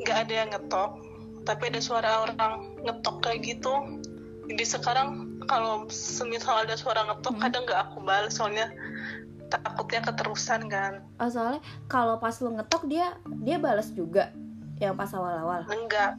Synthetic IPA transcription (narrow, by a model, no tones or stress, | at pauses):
ŋɡaːdajaŋːət̪ɔk̚ | t̪apiadasuaɾaoɾaŋː | ət̪ɔklaɡit̪u | ədisəkaɾaŋkalosəmisalaldasuaɾaŋət̪ɔkkːadaŋɡaːkubaləsalɲa | t̪akʊt̪̚ɲakət̪əɾusankan | ʔəs̬alɛ | kalopaslŋət̪ɔk̚diadiabalasd͡ʒuɡajaŋpasawalawalnəŋɡa